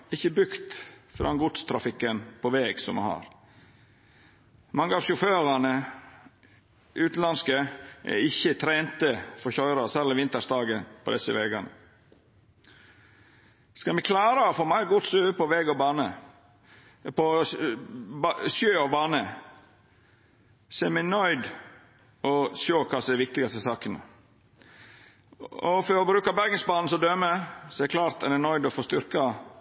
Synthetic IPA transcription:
ɪçːəbɾʉkt̪fɾɑ̰ɛnɡʊt̪st̪ʰɾɑfɪkːənpʰɔʋeːɡsɔmɛ̰hɑ̰ːɾ | mɑŋːəɑːʋʂʊføːɾɑnə | ʔʉːt̪n̩lɑnskəʔɛ̰ɪçːət̪ʰɾeːnt̪əfɔɾçɔʏɾɑsɛləʋɪnt̪əʂd̪ɑːɡənpʰɔd̪ɛsəʋɛːɡɑnə | skɑlmɛkʰlɑːɾəɔfoːmæɪɡʊt̪sʉːʋəpʰɔʋɛɡɔbɑːnə | pʰɔ | ʃøːɔbɑːnə | seːmɛnœʏd̪ | ɔʃøːkʰɑːsɔɛɾʋɪk̚t̪ɪɡɑst̪əsɑːkənə̰ | ɔfɔɾɔbɾʉːkɑbæɾɡənsbɑːnn̩sɔd̪øːməsɔɛkʰlɑːɾt̪ɛnɛnɔʏd̪ɔfoːst̪ʏɾkɑ

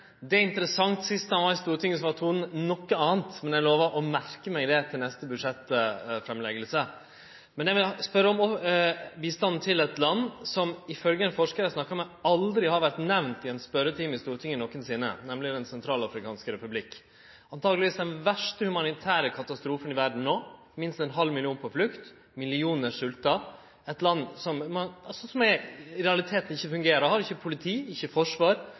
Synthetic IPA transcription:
d̪ɛɪnt̪əɾəsɑŋt̪sɪst̪ɑnʋɑɪst̪uːɾt̪ɪŋːəsɔʋɑt̪ʰuːnnɔkːəɑːənt̪mɛnjæɪloːʋəɾʔɔmæɾkəmæɪd̪ɛt̪ʰɪlnɛst̪əbʉd̪ʂɛt̪ːfɾɛmlɛɡəlsə | mɛnjæɪʋɪlspœɾːəɔmɔbiːst̪ɑnn̩t̪ʰɪlɛt̪lɑnːsɔmɪfœlɡəɛnfɔʂkəɾæsnɑkːɑmɛɑld̪ɾɪhɑɾʋæɾʈ̪nɛʋnt̪ɪɛnspœɾət̪ʰiːmɪst̪uːɾt̪ʰɪŋːənɔkːənsɪnːə̰nɛmlɪd̪ɛnsɛnt̪ʰɾɑːlɑfɾɪkʰɑːnskəɾɛpʉblɪkː | ɑnt̪ʰɑːɡlɪʋiːsd̪ɛnʋæʂʈəhʉmɑnɪt̪ʰæːɾəkʰɑt̪ɑst̪ɾuːfənɪʋæɾɖn̩nːoː | mɪnst̪ɛnɦɑlːmɪlɪuːnpʰɔflʉkt̪ | mɪlɪuːnəʂʉlt̪ɑ | ɛt̪lɑnːsɔmmɑɑsɔsɔmɛɾɛɑlɪt̪ʰeːt̪ən̩ɪçːəfʉŋɡeːɾɑhɑɾɪçːəpʰʊlɪt̪ʰiːɪçːəfɔʂʋɑːɾ

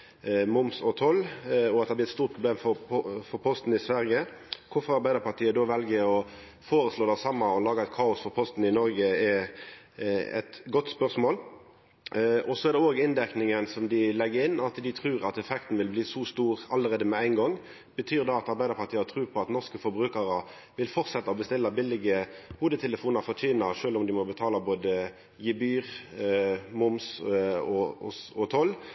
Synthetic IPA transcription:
mʊmsɔt̪ʰɔlɔɑt̪d̪ɛb̪ɪɾɛt̪st̪uːɾt̪̚pʰʁʊb̪eːmfɔpɔfɔɾpʰɔst̪n̩ɪsʋæɾjəkʰʊfɔɾɑɾbæɪd̪əɾpɑt̪ʰiːəd̪oːʋɛlɡəɔ | foːɾəsloːd̪æsɑmːɑɔlɑːɡəɛt̪̚kʰɑːʊsfɔɾpʰɔst̪n̩ɪnɔɾɡəɛ | ɛ̰t̪ɡɔt̪ːspœʁsmoːl | ʔɔsɔɛʁd̪ɛoːɡɪnd̪æknɪŋənsɔmd̪ɪlɛɡəɾɪnːɑt̪d̪ɪt̪ʰɾʉːʁɑt̪ɛfɛkt̪n̩ʋɪlbliːsɔst̪uːʁɑləʁeːd̪əmɛæɪnɡɔŋː | b̥ət̪ʰyːʁd̪ɑɑt̪ɑɾbæɪd̪əɾpʰɑt̪iːət̪ʰʁʉːpʰɔɑt̪nɔʁskəfɔɾbɾʉːkəɾə | ʋɪlfɔʁsɛt̪ːɑɔbəst̪ɪlːəbɪlɪɡəhuːd̪ət̪ʰɛləfuːnɑʁfɔʁt̪ʰyːnəʂøːlɔmd̪ɪmɔbət̪ʰɑːləboːd̪ə | jɪbyːʁ | mʊmsɔɔɔt̪ʰɔl

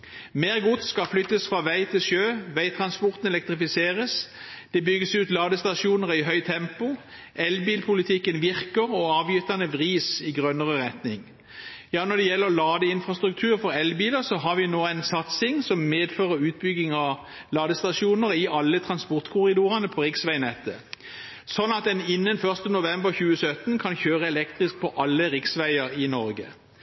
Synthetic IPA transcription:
meːʁɡʊt̪skɑflʏt̪ːəsfʁɑːʋæɪt̪ʰɪlʃøːʋæɪt̪ʰʁɑnspɔʁt̪nɛlɛk̚t̪ʁɪfɪseːʁəs | d̪̥ɛbʏɡəsʉːt̪lɑːd̪əst̪ɑʃuːnəʁæɪɦœʏt̪ʰɛmpʊ | ʔɛlbiːlpʰʊlɪt̪ʰɪkːənʋɪʁkəʁɔɑːʋjʏt̪ːɑnəʋʁiːsɪɡʁœnəʁəʁɛt̪nɪŋ | jɑːnɔd̪ɛjɛlːəʁlɑːd̪əɪnfʁɑst̪ʁʉk̚t̪ʰʉːʁfɔʁɛlbiːləsɔɦɑʁʋɪnoːæɪnsɑt̪sɪŋsɔmmeːd̪føːʁəɾʉːt̪̚bʏɡɪŋɑ | lɑːd̪əst̪ɑʃuːnəʁɪʔɑlːət̪ʰʁɑnspɔʁt̪kʰʊʁɪd̪uːʁɑnəpʰɔʁɪksʋæɪnɛt̪ːə | sɔnːɑt̪̚d̪ɛnɪnːənfœʁst̪ənʊʋɛmbəʁçʉːəsœt̪nkʰɑnçøːʁəɛlɛkt̪ʁɪsk̚pʰɔʔɑlːəʁɪksʋæɪəɾɪnɔɾɡə̰

